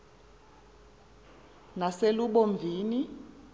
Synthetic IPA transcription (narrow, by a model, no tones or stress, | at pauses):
naseluɓoɱb̪vʱiːni